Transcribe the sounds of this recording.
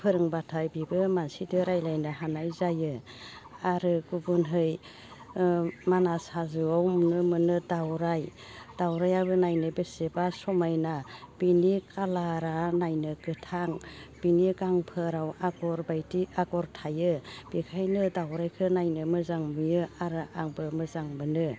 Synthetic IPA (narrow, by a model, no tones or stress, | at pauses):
pʰɯɾɯŋbatʰajbibɯmansidɯɾajlajnɯɦanajzajɯ | aɾɯɡubunɦɯj | manasazɯawmnɯmɯnɯdawɾaj | d̥awɾajabɯnajnɯbesebasɔmajnab̥inikʰalaɾanajnɯɡɯtʰaŋb̥inikaŋpʰɯɾawaɡɔɾbajtiaɡɔɾtʰajɯb̥ikʰajnɯdawɾajkʰɯnajnɯmɯzaŋmijɯaɾɯʔaŋbɯmɯzaŋbɯnɯ